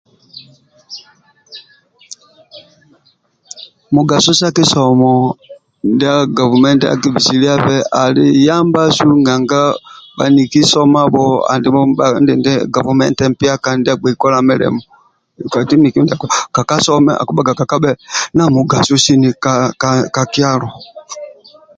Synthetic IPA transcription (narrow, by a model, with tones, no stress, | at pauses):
mu˨ɡa˨su˦sa˦ki˦sɔ˨mɔ˨ | ndi˦a˦ɡa˨vu˨mɛ˦ntɛ˦a̰˦ki˦vi˨si˨li˦a˦pɛ˦ʔa˨li˦ja˦mba˦ʃu˦ŋɡa˨ŋɡa˦ba̰˨ni˨ki˦sɔ˦ma˦bɔ˦a̰˨ndi˨mɔ˦ba˨˦ndɛ˨ndɛ˦ɡa˨vu˨mɛ˦ntɛ˦m̩˦pi˦a˦ka˨ndi˦a˦ɡ͡bɛ˨kɔ˦la˨mɛ˦lɛ̰˨mɔ˨ | ka˨ti˦ni˨ki˦ndi˦a˨kka˨ka˦sɔ˦mɛ̰˦ʔa̰˨ku˦ɓa˦ka˨ka˨ka˦ɓɛ˦na˨mu˨ɡa˨su˦ʃi˦ni˨ka˨ka˨ki˦a˦lɔ˨